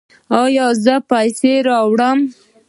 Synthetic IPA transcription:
ɑjɑzəpajseɾɑwɽəm

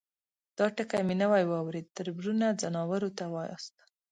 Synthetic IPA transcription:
d̪̥ɑʈəkajminawajwɑwɾed̪̚t̪əɾbɾunad͡zanɑwaɾot̪awɑjɑ̰st̪ḁ

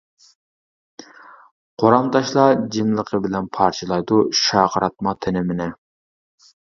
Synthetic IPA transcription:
qʰoɾɑmt̪ʰɑʃlˠɑd͡ʒimlˠəqʰəbɪlɛnpʰɑɾt͡ʃʰɨlˠɑjd̪uʃɑːqʰəɾɑt̪̚mɑt̪ʰɪnɪmɪnɪ

